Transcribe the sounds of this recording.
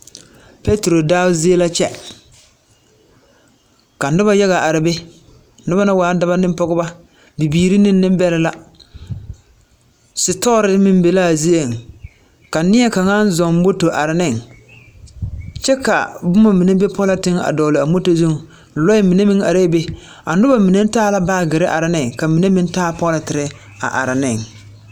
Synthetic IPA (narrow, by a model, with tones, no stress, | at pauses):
pe˦tɾo˨daː˦ʊ˦zi˦e˦la˦t͡ʃɛ˦ | ka˨nʊ˦ba˦ja˦ɣa˨ʔa˨ɾɪ˨be˦ | nʊ˦ba˦na˦waː˨˦da˦ba˦nɪ˦m˦pɔ˦ɡʊ˦ba˦ | bi˨biː˨ɾi˦nɪ˦nː˦ɪ˦m˦bɛ˦lɪ˦la˦ | sɪ˨tɔ˦ɾɪ˦mɪ˦m˦be˨la˦˨zi˦e˨ŋ | ka˨nɪ˦ɛ˦ka˨ŋa˦n˦zɔ˨m˦bo˦to˨ʔa˨ɾɪ˨nɪ˦ŋ | t͡ʃɛ˦ka̰˨bʊ˦ma˨mi˨ne˦be˦pɔ˦la˦tɪ˦ŋa̰˨dɔː˨lɪ˨a˨mo˦to˦zu˦ŋ˨ | lɔ˦ɪ˦mi˨ne˦mɪ˦ŋa˨ɾe˦be˦ | a̰˨nʊ˦ba˨mi˨ne˦n˦taː˦la˦baː˦˨ɡɪ˨ɾɪ˦ʔa˨ɾɪ˨nɪ˦ŋka˨mi˨ne˦mɪ˦n˦taː˦pɔ˦la˨tɪ˨ɾɪ˦ | a̰˨ʔa̰˨ɾɪ˨nɪ˦˨ŋ